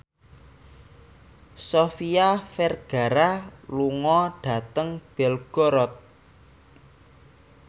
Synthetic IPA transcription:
sofiafɛrɡ̥a̤ɾaluŋɔɖ̥ä̤t̪əŋb̥ɛlɡ̥ɔɾɔt̪̚

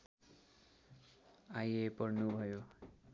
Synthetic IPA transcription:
ajepʌrnubʱʌjo

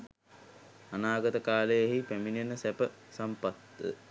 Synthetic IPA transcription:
anaːɡət̪əkaːləjəɦipæminjenəsɛpəsampat̪ːə̰

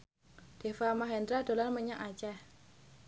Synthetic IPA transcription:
d̪̥e̤famaɦɛnd̪ɾad̥̪o̤lanməɲaʔat͡ʃah

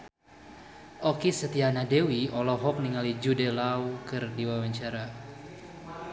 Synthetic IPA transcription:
ʔɔkisət̪ianadewiɔlɔɦɔk̚niŋalid͡ʒudɛlawkɨrdiwawaɲt͡ʃaɾa

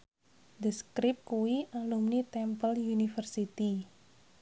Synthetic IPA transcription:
d̪iskɾɪp̚kuwiʔalumnit̪ɛmpəljunifərsit̪i

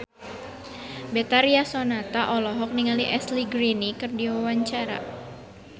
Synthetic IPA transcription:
bɛt̪aɾiasɔnat̪aʔɔlɔɦɔk̚niŋaliʔɛsliɡɾinikɨrdiwawaɲt͡ʃaɾa̰

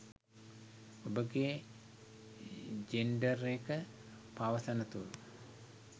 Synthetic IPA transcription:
obəɡeː | d͡ʒenɖəɾekə | paʋəsənət̪ulu

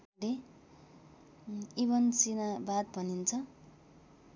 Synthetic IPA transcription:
ɽe | ibʌnsinabad̪̚bʱʌnint͡sʰʌ

